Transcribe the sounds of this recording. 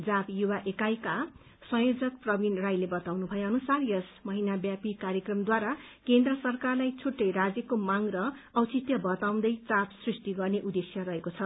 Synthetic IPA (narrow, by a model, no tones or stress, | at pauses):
d͡zapjuwaʔekajka | sʌ̃jod͡zʌkprʌbinrajlebʌt̪awnubʱʌjeʌnusarjʌsmʌɦinabjapikarjʌkrʌmd̪waɾakend̪rʌsʌrkarlajt͡sʰuʈːʌjrad͡zjʌkomaŋɾʌːwt͡sit̪jʌbʌt̪aw̃nd̪ʌjt͡sapsrisʈiɡʌrneʔud̪esjʌrʌɦekot͡sʰʌ